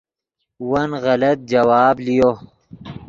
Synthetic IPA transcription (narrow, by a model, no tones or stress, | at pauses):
wɐnɣɐlɐt̪̚d͡ʒɐwaːblijo